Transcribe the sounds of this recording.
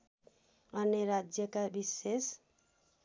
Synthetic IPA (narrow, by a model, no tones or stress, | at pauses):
ʌneɾad͡zjʌkabises